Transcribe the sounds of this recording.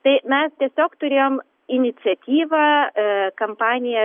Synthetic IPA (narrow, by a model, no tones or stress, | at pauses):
t̪ɐɪmʲɛst̪ʲiɛsʲoːkt̪ʊɾʲeːjoːm | ɪnʲɪt̪sʲɛt̪ʲiːʋɐkɐmpɑːnʲɪjɛ